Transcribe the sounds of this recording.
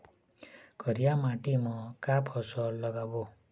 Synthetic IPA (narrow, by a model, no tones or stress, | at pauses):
kʌɾijamaʈimɔ̃kapʰɔsɔlːʌɡabo